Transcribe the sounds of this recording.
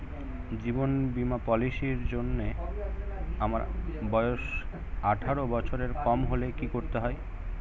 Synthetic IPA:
d͡ʑibonbimapɔliʃiɾd͡ʑonːe | amaɾbɔeoʃ | aʈʰaɾobɔt͡ɕʰoɾeɾkɔmɦolekikoɾt̪eɦɔe

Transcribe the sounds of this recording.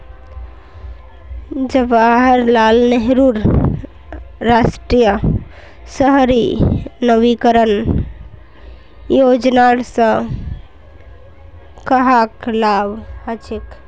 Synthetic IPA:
d͡ʒəbaɦɾlalneɦɾuɾ | asʈɾijə | səɦɾinəbikəɾən | jod͡ʒnaɽsə̃ | kəɦaklabhət͡ʃʰik

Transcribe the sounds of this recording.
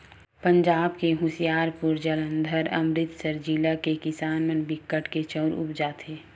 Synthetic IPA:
pə̃ɲd͡ʒaːb̚keɦʊsijaːɾpʊɾd͡ʒələ̃nd̪ʱəɾɐ̰mɾɪt̪səɾd͡ʒiːlakekɪsaːnmənbɪkːəʈket͡ʃɔːɾʊ̰pd͡ʒaːt̪ʰeː

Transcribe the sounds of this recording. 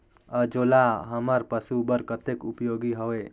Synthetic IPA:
əd͡ʒoːlaɦəməɾpəsubəɾkət̪ekupjoːɡiɦoʋe

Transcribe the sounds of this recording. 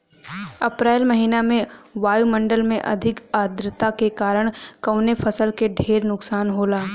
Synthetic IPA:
ɐpɾeːlmɐɦiːnamẽʋaːjumɐ̃ɳɖəlmẽʔɐ̰d̪ʱɪkaːd̪ɾət̪akekaːɾəɽ̃kɐʊnefʰɐsəlkeɖʱeːɾnʊksaːnɦoːlaː

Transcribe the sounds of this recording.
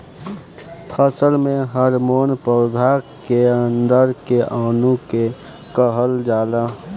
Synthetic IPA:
pʰəsəlmẽɦəɾmoːnpəɾd̪ʱakeənd̪əɾkeʔaːnũke | kəɦəld͡ʒaːla

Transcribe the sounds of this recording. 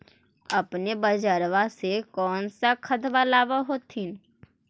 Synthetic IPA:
ɐpnebəd͡ʒəɾʋasekɔːnsakʰət̪ʋalaːʋaɦoːt̪ɦɪn

